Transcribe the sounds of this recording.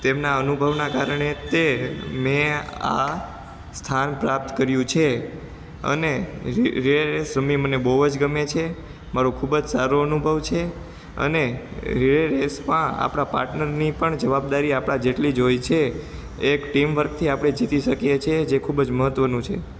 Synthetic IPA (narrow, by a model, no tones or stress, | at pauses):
t̪emnaənubʱəʋnakaɾəɳet̪emẽa̰ | st̪ʰanpɾap̚t̪kəɾjũt͡ʃʰe | ə̰neɾiɭeɾesɾəmimənebəɦuəd͡ʒɡəmet͡ʃʰe | maɾokʰubəd͡ʒsaɾoənubʱəʋt͡ʃʰe | ə̰neɾiɭeɾesmãa̰pɽ̃apa̰ɾʈnəɾnipəɳd͡ʒəʋabd̪aɾiapɽ̃ad͡ʒeʈlid͡ʒojt͡ʃʰeː | kʈimʋəɾɡ̚t̪ʰiapɽ̃ed͡ʒit̪iʃəkijet͡ʃʰed͡ʒekʰubd͡ʒməɦət̪ʋənũt͡ʃʰḛ